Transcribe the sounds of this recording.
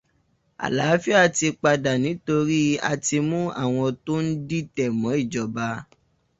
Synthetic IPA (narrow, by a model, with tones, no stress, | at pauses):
a̰˨la˨˦fi˦a˦˨ti˧k͡pa˧da˨nĩ˨˦to˧ɾi˦a̰˧ti˧mũ˦ʔa̰˦˨w̃ɔ̃˧to˦n̩˦di˦tɛ˨mɔ̃˨˦i˦˨d͡ʒɔ˨ba˧